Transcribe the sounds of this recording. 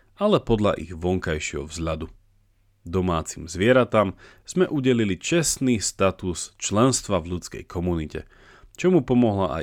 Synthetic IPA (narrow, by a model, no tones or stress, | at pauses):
alɛpɔd̪ʎa̰ʔḭɣʋɔŋkajʃɪɛɦɔ̰vzʎad̪u | d̪ɔmaːt͡simzʋɪɛɾat̪aːm | z̥mɛʔuɟɛlilit͡ʃɛsniːst̪at̪ust͡ʃlɛnst̪ʋavʎut͡skɛ̰jkʰɔmunicɛ̰ | t͡ʃɔmupɔmɔɦlaʔa̰